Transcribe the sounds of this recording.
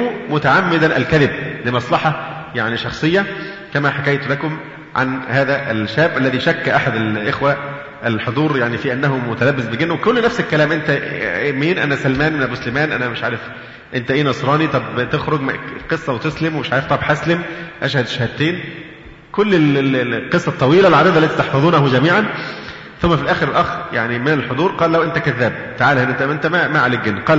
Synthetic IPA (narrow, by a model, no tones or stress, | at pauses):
mumʊt̪aʕamːed̪ænʔæ̰lkæðɪb̚lemɑsˤlɑħɑ | jaʕniʃɑxsˤejːɑ | kæmæħakæjt̪olækom | ʕa̰nhæːðæʔælʃːæːbʔælːæðiʃækːæʔaħad̪ælʔexwæ | ʔælħod̪ˤuːɾjaʕnifiʔænːæɦomːot̪ælæbːesbeɡenːwekolːnæfselkːælæːmʔent̪æmiːnʔæ̰næsælmæːnmenæboslemæːnʔænæmeʃʕaːɾef | ʔent̪æʔeːnɑsˤɾˤɑːnit̪ˤɑbt̪exɾoɡmqesˤːɑwet̪eslemwmeʃʕaːɾeft̪ˤɑbħaslemʔæʃhæd̪ʃhæd̪̚t̪eːn | kolːellqesˤːɑt̪ˤːɑwiːlælʕad̪æːd̪ælːæt̪it̪ɑħfɑðˤuːnæhʊɡæmiːʕan | θomːæfilʔæːxeɾelʔɑxja̰ʕnimenelħod̪ˤuːɾqɑːllæwʔent̪ækæðːæːb̚t̪aʕaːlhenːt̪æʔent̪æmæmaʕaliɡenːqɑːl